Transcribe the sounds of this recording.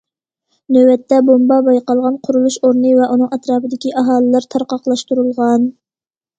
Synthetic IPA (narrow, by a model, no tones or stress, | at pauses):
nøwɛt̪ʰːɛbombɑbɑjqɑlˠʁɑnqʰʊɾulˠuʃoɾnɨvɛʔunɨŋɛt̪ɾɑːpɨd̪ɪkʲiʔɑɦɑːlˠɨlˠɑɾt̪ʰɑɾqɑqlˠɑʃt̪uɾulˠʁɑn